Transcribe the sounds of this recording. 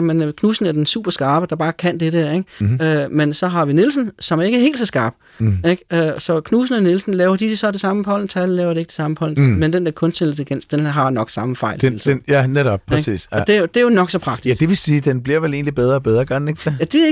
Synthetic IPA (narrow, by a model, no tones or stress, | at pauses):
menkʰnuːsn̩æɐd̥ensṵːb̥ɐsɡ̥ɑ̈ːb̥əd̥ɑ̈b̥ɑ̈ːkʰæn̰d̥eɾəeɡ̥ømensɒ̽ɦɑ̈ʋinilsn̩sɒ̽mæɐe̝ɡ̥ɐɦe̝̰ːld̥sɒsɡ̥ɑ̈ːb̥ | eɡ̥øsɒ̽kʰnuːs̬n̩ənilsn̩lɛːʊɐd̥i̥sɒ̽d̥e̝sɑ̈məpʰɒ̽l̰n̩t͡sʰællɛːʊɐd̥ɾee̝ɡ̥ə̥d̥e̝sɑ̈məpʰɒ̽l̰n̩mend̥end̥eɐkʰɔ̽nsd̥elət͡sʰeɡ̥en̰sd̥enɦɑ̈nɒ̽ɡ̥sɑ̈məfɑ̈ɪ̰llsjæneɾɒb̥̚pʰeɡ̥sḭːsɒd̥e̝od̥e̝æjonɒ̽ɡ̥sɒ̽pʰʁɑ̈ɡ̥d̥id̥eʋesiːd̥enb̥liɐ̰ʋele̝ːnlib̥eð̞ˠʁɐːb̥eð̞ˠɐɡ̥ɑneɡ̥ejæd̥e̝